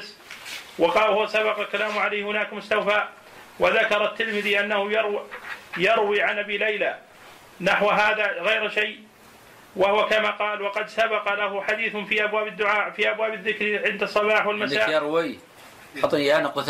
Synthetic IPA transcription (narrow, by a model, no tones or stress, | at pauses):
s | wɑqɑːhʊwasabɑqɑlkalaːmʕalaːhhʊnaːkmʊst̪awfaːʔ | waðakɑɾˤɑt̪ːɪlmɪðiʔanːahʊjɑɾwjɑɾwiʕanʔabiːlajla | naħwɦaːðaɣajɾʃaj | wahʊwakamaːqɑːlwɑqɑd̪sabɑqɑlahʊħad̪iːθfiʔabwaːbɪd̪ːʊʕaːfiʔabwaːbɪðːɪkɾʕɪnd̪ɑsˤːɑbɑːħwalmasaːɾwi | ħɑt̪ˤːanaqʊθ